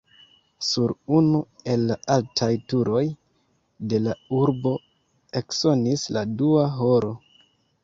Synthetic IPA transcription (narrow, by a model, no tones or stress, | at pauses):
suɾunue̞lːaaltʰajtuɾo̞j | de̞lauɾbo̞ | e̞kso̞nisladuaɦo̞ɾo̞